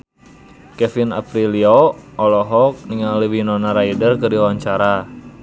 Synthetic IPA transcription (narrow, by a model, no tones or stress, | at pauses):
kɛfina̰pɾilioɔlɔɦɔk̚niŋaləwinɔnaɾaidərkɨriwaɲt͡ʃaɾa